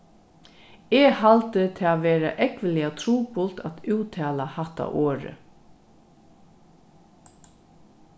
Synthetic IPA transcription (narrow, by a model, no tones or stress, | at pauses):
ɛhalt̪ət̪ʰɛːaʋeːɾa̰ʔɛkʋəlɪat̪ʰɾuːpʊlt̪at̪ʉːt̪ʰɛːlahaht̪a̰ʔoːɾə̰